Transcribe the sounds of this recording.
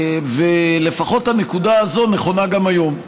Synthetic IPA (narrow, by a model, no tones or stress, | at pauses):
ve̞le̞faχo̞thane̞kudaazo̞ne̞χo̞naɡamajo̞m